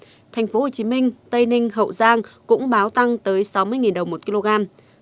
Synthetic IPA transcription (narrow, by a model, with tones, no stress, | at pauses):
t̪ʰɛ˨˩jŋ̟fo˨˦ho˨˩t͡ɕi˨˦mï˧ŋ̟t̪ə˧jnï˧ŋ̟ɦə̰˧˨wzaː˧ŋkʊ̰˧˥ŋ͡mɓaː˨˦wt̪a˧ŋt̪əː˨˦jsa˨˦wmɨ˧əjŋi˨˩nɗə˨˩wŋ͡mmo˨˩t̚ki˧lo˧ɣaː˧m